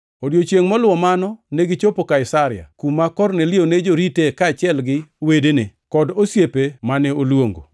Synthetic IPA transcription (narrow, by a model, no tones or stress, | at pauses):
odjot͡ʃjeŋmɔlʊwɔmanɔneɡɪt͡ʃopokaɪsaɾɪa̰kumakɔrnelɪjoned͡ʒoɾitekaːt͡ʃɪɛlɡɪwedenekɔdosjepemanɛolwoŋɡo̰